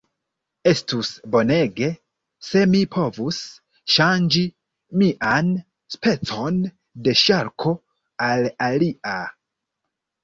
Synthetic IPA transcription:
e̞stusbo̞ne̞ɡe̞ | se̞mipʰo̞vus | ʃand͡ʒi | miʔan | spe̞t͡so̞n | de̞ʃaɾkʰo̞ | alalia

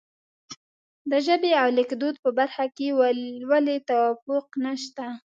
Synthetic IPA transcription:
d̪əʒəbeawlɪkd̪od̪̚pəbaɾxakewwalet̪awɑfʊqnaʃt̪a

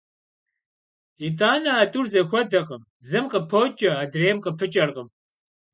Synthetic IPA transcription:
itʼaːnɐaːtʼurzɐxʷɔdɐqʼəm | zɨmqəpʰoːt͡ʃʼɐaːdreːmqəpʰɨt͡ʃʼɐrqəm

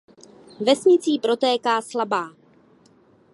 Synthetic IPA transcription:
vɛsɲɪt͡siːpɾo̞t̪ɛːkaːslabaː

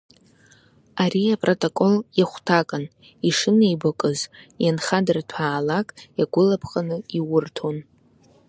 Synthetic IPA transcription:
aɾiapʼrotʼokʼoljaχʷtʰakʼan | iʂɨnejbakʼɨzjanχadɨrtʰaːlakʼjaɡʷʊlapʰχʼanɨiwʊrtʰo̞n

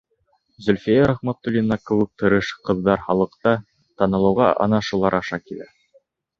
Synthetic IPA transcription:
zɵ̆lʲfijæɾaχmæt̪ːulʲinːɑkɘ̆wɘ̆k̚t̪ɤ̆ɾɤʃqɤ̆ðːɑɾχɑlˠɤ̆qt̪ɑ | t̪ɑnɤ̆lˠɤ̆wʁɑ̰ʔɑ̰nɑʃulˠɑɾɑʃɑkilæ̰

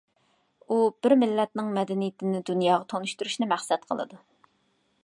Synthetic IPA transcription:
ub̥ɪɾmɪlːɛt̪̚nɪŋmɛd̪ɛnijɪt̪ʰɪnɪd̪unjɑːʁɑt̪ʰonuʃt̪uɾuʃnɪmæχsɛt̪̚qʰə̰lˠɨ̰d̪u

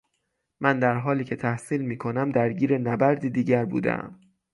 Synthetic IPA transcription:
mʔænd̪æɾɦɒːliːcʰe̞t̪ʰæhsiːlmiːkʰo̞næmd̪æɾɟiːɾenæbæɾd̪id̪iːɟæɾbṵːd̪ḛʔæ̰m

